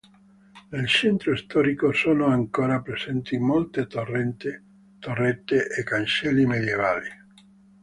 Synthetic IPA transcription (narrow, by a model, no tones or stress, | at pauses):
nelt͡ʃɛnt̪ɾoist̪ɔːɾikosoːnoaŋkoːɾapɾezɛnt̪imolt̪et̪orːɛnt̪e | t̪orːɛt̪ːeʔekːant͡ʃɛlːimed̪jevaːli